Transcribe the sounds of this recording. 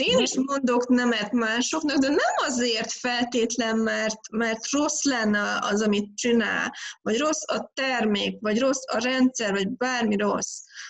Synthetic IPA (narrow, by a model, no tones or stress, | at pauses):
eːniʃmo̞nd̪o̞knɛmɛt̪maːʃo̞knɒkd̪ɛnɛmɒzeːrt̪fɛlt̪eːt̪lɛmmɛrt̪mɛrt̪ro̞slɛnːɛɒzɒmit̪̚t͡ʃina̰ːlvɒɟro̞sːɒt̪ɛrmeːkvɒɟro̞sɒɾɛnt̪sɛrvɒɟbaːrmiɾo̞s